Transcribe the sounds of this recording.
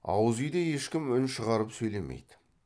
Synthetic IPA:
ɑ̰wəzʏjd̪eje̞ʃkʲɪmʏnʃəʁɑɾəpsɵjle̞mḛjd̪ɪ

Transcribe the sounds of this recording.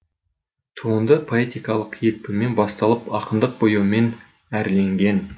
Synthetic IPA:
t̪ʰuənd̪əpʰo̞e̞t̪ijkɑlˠəqje̞k̚pɪme̞nbɑst̪ɑlˠəpɑqənd̪əq̚bojəme̞n | æɾle̞ŋɡʲe̞n

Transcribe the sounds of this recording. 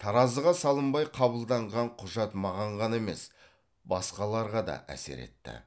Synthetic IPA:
t̪ʰɑɾɑzəʁɑsɑlˠəmbɑjqʰɑbəlˠd̪ɑɴʁɑɴqʰʊʒɑt̪mɑʁɑɴʁɑne̞me̞̰s | bɑsqɑlˠɑɾʁɑd̪ɑ̰ʔæ̰se̞̰ɾe̞̰t̪ːɪ̰

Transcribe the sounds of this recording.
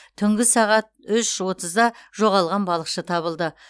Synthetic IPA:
t̪ʰʏŋɡʲɪsɑʁɑt̪̚ʏʃwo̞t̪əzd̪ɑʒ̥o̞ʁɑlˠʁɑnbɑlˠəqʃət̪ʰɑβəlˠd̪ə

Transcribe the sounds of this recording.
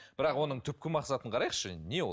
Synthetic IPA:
b̥ɪɾɑqwo̞nəɴt̪ʰʏp̚kʲɪmɑqsɑt̪əɴqʰɑɾɑjqʃə̰ne̞wo

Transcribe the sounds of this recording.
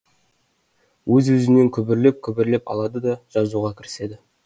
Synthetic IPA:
wɵzwɵzɪne̞ŋkʲʰɵbɪɾle̞p̚kʲʰɵbɪɾle̞pɑ̰lˠɑd̪əd̪ɑʒ̥ɑzuʁɑkʲʰɪɾɪ̥se̞d̪ɪ

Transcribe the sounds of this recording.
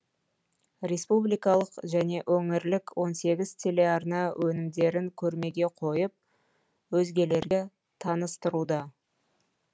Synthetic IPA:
ɾʲe̞spublijkɑlˠəqʒæne̞ʔɵŋɪɾlɪkwo̞nse̞ɡʲɪzt̪ʲʰe̞le̞ɑrnɑwʔɵnɪmd̪e̞ɾɪŋkʲʰɵɾme̞ɡʲe̞qʰo̞jəp̚ | wɵzɡʲe̞le̞ɾɡʲɪ | t̪ʰɑnəst̪əɾud̪ɑ

